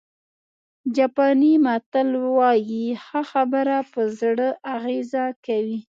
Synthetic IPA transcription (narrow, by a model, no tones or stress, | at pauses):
d͡ʒɑpɑnimat̪əlwɑjixaxabəɾapəzɽəʔaɣezakawi